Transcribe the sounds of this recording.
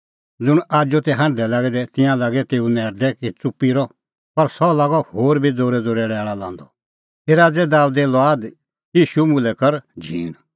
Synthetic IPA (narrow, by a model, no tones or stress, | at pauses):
d͡zʊɽ̃aːd͡ʒot̪ɛɦãɳɖd̪ɛlaːɡɛd̪ɛt̪ɪ̃jãlaːɡɛt̪eːunɛːɾd̪ɛkit͡sʊpːiɾɔ | pɐɾsɔlaːɡɔhoːɾbʱid͡zoːɾɛd͡zoːɾɛɽɛːɭalã̰ːnd̪ɔ | eɾaːd͡zɛd̪aːud̪ɛlɔaːd̪ | jiːʃumʊlɛkɐɾd͡ʒʱḭːn